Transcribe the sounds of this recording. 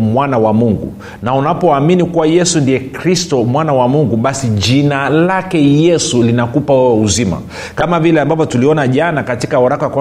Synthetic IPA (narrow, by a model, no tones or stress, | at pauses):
mwanawamuŋɡṵ | naunapɔaminikuwajɛsundijɛkɾistɔmwanawamuŋɡuɓasiʄinalakɛjɛsulinakupawuzima̰ | kamavilɛambavɔtuliɔnaʄanakatikaɔɾakaakwa